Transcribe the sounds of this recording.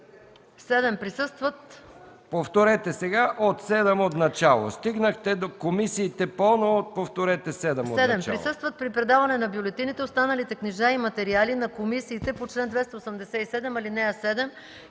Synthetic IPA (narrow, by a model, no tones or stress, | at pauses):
sɛd̪ɛmpɾisɤst̪vɐt̪ | poft̪oɾɛt̪ɛsɛɡaʔot̪sɛd̪ɛmot̪nɐt͡ʃalˠo̰st̪iɡnəxt̪ɛd̪okomisiːt̪ɛpɔnoot̪̚poft̪oɾɛt̪ɛsɛd̪ɛmoɛd̪ɛmpɾisɤst̪vɐt̪̚pɾipɾɛd̪avɐnɛnɐbjʊlɛt̪init̪ɛost̪anɐlit̪ɛkniʒaimɐt̪ɛɾialinɐkomisiːt̪ɛpot͡ʃlɛnd̪vɛst̪ɐosɐmd̪ɛsɛisɛd̪ɛmɐlinɛɐsɛd̪ɛm